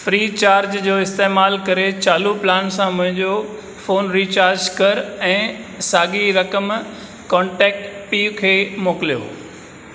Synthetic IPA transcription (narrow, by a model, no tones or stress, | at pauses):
fɾiːt͡ɕaːɾd͡ʑd͡ʑoːɪst̪eːmaːlkɐɾet͡ɕaːluplaːnsãmʊ̃ɦɪ̃ɲd͡ʑo | foːnɾiːt͡ɕaːɾd͡ʑkɐɾɛ̃ːsaːɡiɾɐkəm | kɔ̃ːɳʈɛːk̚ʈpiːʊkʰeːmoːkɪlijo̰ː